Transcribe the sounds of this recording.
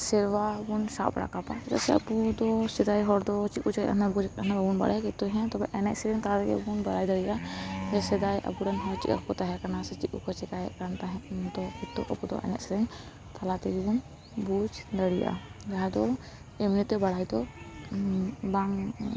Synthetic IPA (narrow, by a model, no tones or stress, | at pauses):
sɛɾwabunsa̰ʔpɽa̰kapaɛt̪a̰ʔsɛa̰pud̪ɔsɛd̪ajɦɔɾd̪ɔt͡ʃiʔut͡ʃaʔa̰nabud͡ʒkʔanababunba̰ɽajakit̪ːuɦɛ̃t̪ɔbɛʔɛnɛʔsɛɾɛŋt̪alat̪ɛkɛ̰bunbaɽajd̪aɽiʔahɛsɛd̪ajʔa̰puɽanɦɔt͡ʃḭʔa̰kkɔt̪aɦɛkanasɛt͡ʃiʔṵkɔt͡ʃɛkajɛ̰ʔkant̪aɦɛd̪ɔkit̪ːuʔa̰pud̪ɔ̰ʔɛ̰nɛ̰ʔsɛɾɛɲ | t̪alat̪ɛɡibun | bud͡ʒd̪aɽijʔa̰d͡ʒaɦɛd̪ɔ | ɛmnit̪ɛbaɽajd̪ɔ | baŋ